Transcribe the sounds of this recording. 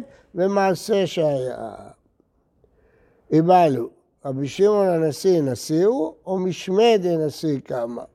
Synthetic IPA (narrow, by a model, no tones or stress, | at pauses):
vɛmasɛʃaa̰ | ɛβalu | abiʃeŋɔnanasenasewɔmiʃmɛd̪ɛnasekama̰